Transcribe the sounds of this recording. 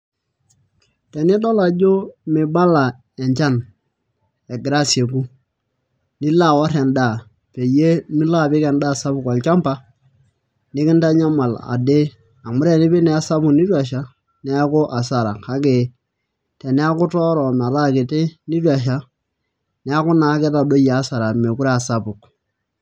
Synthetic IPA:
tɛ˨nɪ˦tɔ˦la˨d͡ʒo˦mɪ˨ba˦la˨ | ɛ˨ɲt͡ʃa˦˨n | ɛ˨ɡɾa˦sje˨ku˦ | nɪ˦la˦˨wa˦ɾɛ˨nda˦˨ | pe˨je˦mɪ˦la˦˨pɪ˦kɛ˨ndaː˦˨sa˦bʊ˨kɔ˨lt͡ʃa˦mpa˦ | nɪ˦kɪ˦nta˦ɲa˦ma˨la̰˨de˦ | a˨mʊ˦ɾe˦˨nɪ˦bi˦nɛ˨˦a˦sa˦bʊ˨kni˦twa˨ʃa˦ | nɛ˦kʊ˦ʔa˨sa˨ɾa˨ka˦ke˨ | tɛ˨nɛ˦a˦kʊ˦tɔ˦ɾɔ˨m˨a˨ɾa˦˨kɪ˨te˦nɪ˦twa˨ʃ̬a˦ | nɛ˦a˦kʊ˦na˨˦kɛ˦ta˨do˦jaː˨˦sa˨ɾa˨me˨ku˦ɾa˦a˨sa˦pʊ˨k

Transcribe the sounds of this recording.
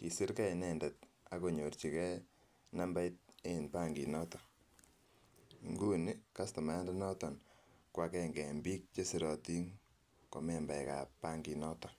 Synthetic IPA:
ki˨si˦ɾkɛ˦i˨nɛ˨ndɛ˨t̚a˦ko˨ɲo˨rt͡ʃi˨kɛ˦ | na˦mba˦jt̚e˦i˨npa˦ŋɡi˨nɔ˦tɔ˨ | ŋɡu˦ni˦ka˦stɔ˨ma˨˦a˦nde˦nɔ˦tɔ˨nkwa˨kɛŋɡɛ˨mbi˦k̚t͡ʃe˦si˦ɾɔ˨ti˦ŋ | ko̰˨mɛ˨mba˨jka̰˨pa˦ŋɡi˨nɔ˦tɔ˨

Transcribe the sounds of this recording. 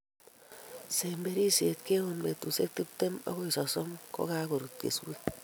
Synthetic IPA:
se˨mbe˦ɾi˦se˨tke˦wo˨nme˨tu˨se˦k̚ti˦p̚te˦mɔ̰˦ko˦i˨sɔ˨sɔ˦mko̰˦ka˦ko˨ɾu˨t̚kḛ˨swe˦

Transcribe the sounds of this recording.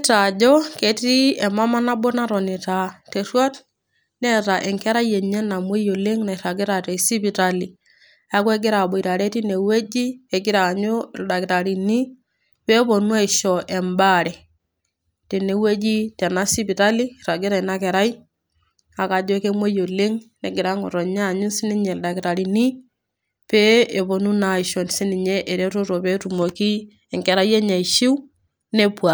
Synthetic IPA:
ta˨d͡ʒɔ˦ke˨ti˦ɛ˨ma˦ma˦na˦bo˦na˦ɾɔ˨ni˨ta˨te˨rwa˦t | nɛ˦ta˨ʔɛ˨ŋkɛ˦ɾa˦jɛ˨ɲɛ˦na˨mo˦jo˨le˦ŋna˨i˨ɾa˨ɡɪ˦ɾa˨tɛ˨si˦pi˨ta˦li˨ | a˦kwɛ˦ɡɪ˦ɾa˨bo˨i˨ɾa˨ɾɛ˦ti˦ne˨we˦d͡ʒi˦ɛ˨ɡɪ˦ɾa˨ɲo˦da˨kɪ˨ta˨ɾi˨ni˦ | pɛ˦po˨nwa˦i˨ʃɔ˨ʔɛ˨mba˦ɾɛ˨ | te˨ne˨we˦d͡ʒi˦tɛ˨na˦si˦bi˨ta˦li˦ɾa˨ɡi˦ɾa˨i˨na˦kɛ˨ɾa˦i˦ | a˨ka˨d͡ʒo˦ke˦mwe˦jo˨le˦ŋne˨ɡɪ˨ɾa˦ŋo̰˨ɾɔ˨ɲa˦˨ɲu˦si˦ni˦ɲɛ˨lda˨ki˨ta˨ɾi˨ni˦ | pɛ˦e˨bo˨nu˦na˨ɪ˨ʃɔ˨n˨si˦ni˨ɲɛ˦ʔe˨ɾe˦ɾo˦ɾɔ˨pɛ˦tu˨mo˨ki˦ | ɛ˨ŋkɛ˨ɾa˦jɛ˦ɲa˨i˨ʃi˦w | ne˦pwa˨

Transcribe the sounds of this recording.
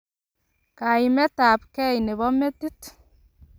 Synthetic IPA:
ka˨i˨mɛ˦ta˨pkɛ˦jne˨βɔ˦me˦ti˦t

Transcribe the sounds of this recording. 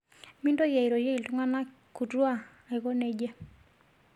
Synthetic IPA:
mi˦ndo˦ja˨i˨ɾo˨je˦i˨ltu˦ŋa˦na˦ | ku˨twa˦˨ | a˨i˨ko˦ne˦d͡ʒe˦

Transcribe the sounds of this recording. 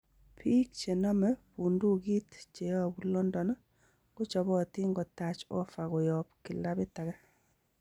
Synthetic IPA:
pʰi˦k̚t͡ʃe˨nɔ˦mɛ˦pu˨ndu˦ki˦tt͡ʃe˨jɔ˦bu˦lɔ˦ndɔ˨nɔ˦ | ko˦t͡ʃɔ˨bɔ˦˨ti˦ŋɡɔ˨ta˨t͡ʃɔ̰˦fa˨ɣɔ˨jɔp̚kɪ˨la˦bɪ˦ta˨ɡa˦

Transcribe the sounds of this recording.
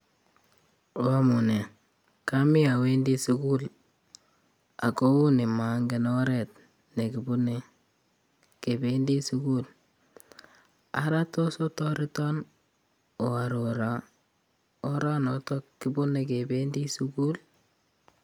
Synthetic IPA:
wa˦mu˨ne˨ | ka˦mi˦a˨we˦ndi˦su˦ku˦l | a˨ko˦wu˦ni˨ma˨ŋɡe˨nɔ˦ɾɛ˨t̚ | ne˨ki˨bu˦ne | ke˨be˦ndi˦suku˦l | a̰˨ɾa˦to˦so˦tɔ˦ɾi˦tɔ˦n | ɔ˨a˨ɾo˨ɾa˨ | ɔ˦ɾa˦nɔ˨tɔ˦kːi˦bu˦ne˨ke˨bendi˦suku˦l

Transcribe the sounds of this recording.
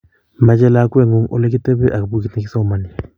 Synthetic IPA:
ma˦t͡ʃɛ˦la˦kwe˦˨ŋo˦ŋo̰˦le˦k̬i˦te˦bɛ˦ʔa˨kbu˦ki˦te˦ki˦sa˦ma˨ni˨

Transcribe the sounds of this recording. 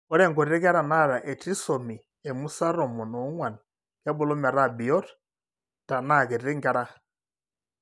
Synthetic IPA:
ɔ˦ɾɛ˦˨ŋɡɔ˨ɾi˨ɾɛ˦kɛ˦ɾa˨na˦˨ɾa˨ʔɛ˨ti˦sɔ˨mi˨ | ɛ˨mu˦sa˦ɾɔ˨mɔ˨nɔ˨˦ŋwa˨n˨ | kɛ˦bɔ˨lɔ˦mɛ˨ɾa˦˨bi˨jɔ˦ɾ | d̥a˨na˦˨kɛ˨ɾi˨ɛ˦ŋɡɛ˦ɾa˦

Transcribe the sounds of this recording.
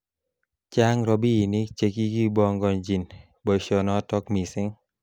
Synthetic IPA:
t͡ʃa˦ŋɾɔ˨bi˦˨ni˦t͡ʃe˨ki˦ɡi˦bɔ˦ŋɡɔ˨nd͡ʒi˨n | bɔ˨ʃɔ˨nɔ˦tɔ˦kmi˨sɪ˦ŋ

